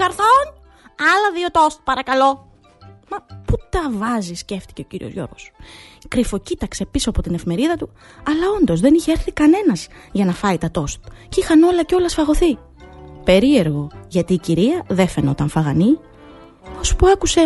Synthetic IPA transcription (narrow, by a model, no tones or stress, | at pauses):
ɐɾθon | ɐlɐðiot̪ost̪̚pɐɾɐkɐlo̞ | mɐput̪ɐvɐzisce̞ft̪i̥ceociɾio̞zʝo̞̰ɾɣo̞skɾifo̞cit̪ɐkse̞piso̞ɐpo̞t̪ine̞fime̞ɾiðɐt̪u | ɐlɐo̞nd̪o̞zðe̞niçeeɾθikɐne̞nɐz̥ʝɐnɐfɐit̪ɐt̪o̞st̪̚cixɐno̞lɐceo̞lɐsfɐɣo̞θi | pe̞ɾie̞ɾɣo̞ʝɐt̪iːciɾiɐðe̞fe̞no̞t̪ɐɱfɐɣɐni | ospuɐkuse̞